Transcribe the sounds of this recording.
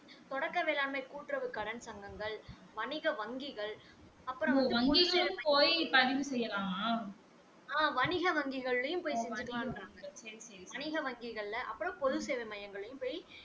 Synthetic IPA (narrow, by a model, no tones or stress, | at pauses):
t̪ɔɽɐkːɐʋeːlaːnmɐɪkuːʈːɾɐʋɯkɐɽɐnsɐŋɡɐŋɡɐɭ | ʋɐnɪɣɐʋɐŋɡɪɣɐɭ | ɐpːɯɾɔ̃t̪ːɐɡɪɐːɐpoːjpɐðɪʋɯsɛjːɐlaːmaː | aːʋɐnɪɣɐʋɐŋɡɪɣɐɭːɐjɯmpoːjsɛɲd͡ʒɪkːɐɾaːŋɡɐɐsɐɾisɐɾiɐnɪɣɐʋɐŋɡɪɣɐɭlɐʔɐpːɯɽɐ̃pɔðɯseːʋɐɪmɐjɐŋɡɐɭɐjɯmpoːj